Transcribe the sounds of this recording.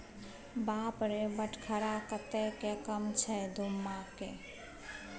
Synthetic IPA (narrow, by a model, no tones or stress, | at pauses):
baːpɾebəʈʰkʰəɾakət̪ekekəmt͡ʃʰɛd̪ʱumːake